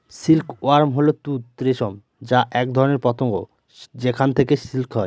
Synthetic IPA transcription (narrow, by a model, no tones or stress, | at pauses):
silkoaɾmɦolot̪ut̪ɾeʃom | d͡ʑaʔɛk̚d̪ʱɔɾoneɾpɔt̪oŋɡo̰ | d͡ʑekʰant̪ʰekesilkɦɔj